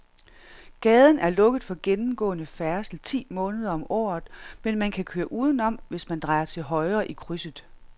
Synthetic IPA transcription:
ɡ̥ɛːð̞ˠən̩æɐlɔ̽ɡ̥əð̩ˠfɒ̽ɡ̥enm̩ɡ̥ɔ̰̽ːənəfæɐsl̩t͡sʰḭːmɔ̽ːnəð̞ˠɐɒ̽mɒ̰ːð̩ˠmenmænkʰækʰøːɐʔuːð̞ˠən̩ɒ̽m̰ʋe̝smænd̥ʁɑ̈ɪɐt͡sʰe̝lɦɒ̽ɪʁɐʔikʰʁysəð̩ˠ

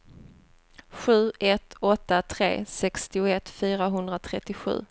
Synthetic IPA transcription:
ɧʉ̟ːɛt̪ɔt̪ːat̪ʰɾḛːsɛkst̪ɪʊɛt̪fyːɾaɦɵnd̪ɾat̪ʰɾɛt̪ːɪɧʉ̟̰ː

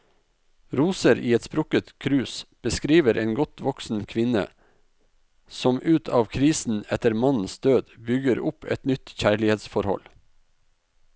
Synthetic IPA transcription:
ɾuːsəɾʔiːɛt̪spɾʊkət̪kʰɾʉːsb̥əskɾiːʋəɾʔeːnɡɔt̪ʋɔksn̩kʰʋɪnə̰ | sɔmʔʉːt̪ʰɑːʋkʰɾiːsn̩ɛt̪əɾmɑnn̩sd̪̥øːd̪bʏɡəɾʊpʰɛ̰t̪nʏt̪çæːɭɪheːd̪sfɔɾhɔ̰l

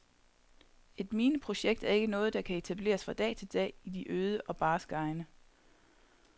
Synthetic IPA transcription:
e̝d̥miːnəpʰʁo̝ɕeɡ̥̚d̥æɐe̝ɡ̥ənɔ̽ːð̞̩ˠd̥ɑ̈kʰæe̝t͡sʰæb̥le̝̰ːɐsfʁɑ̈d̥ɛ̰ːt͡sʰe̝ld̥ɛ̰ːid̥iʔøːð̞ˠəʔɒ̽b̥ɑ̈ːsɡ̥ɑ̈ɪnə

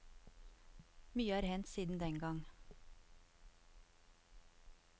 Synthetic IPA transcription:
myːəæːɾhɛnt̪siːd̪n̩d̪ɛŋɡɑŋ

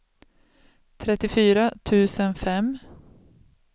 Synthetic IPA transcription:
t̪ʰɾɛt̪ːɪfyːɾat̪ʰʉ̟ːsənfɛm

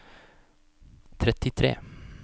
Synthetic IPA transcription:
t̪ʰɾɛt̪ːɪt̪ʰɾḛː

